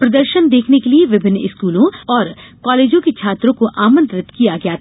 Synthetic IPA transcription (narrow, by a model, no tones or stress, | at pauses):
pɾɐd̪əɾʃənd̪eːkʰnekelieʋɪbʱɪnɪ̰skuːlõɔːɾkaːleːd͡ʒõket͡ʃʰaːt̪ɾõkoʔaːmə̃nt̪ɾɪt̪kijaɡɐjaː